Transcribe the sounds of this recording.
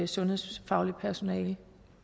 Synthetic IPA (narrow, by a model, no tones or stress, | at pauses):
esɔ̽nhe̝ð̰ˠsfɑ̈ʊlipʰæɐso̝nɛ̰ːl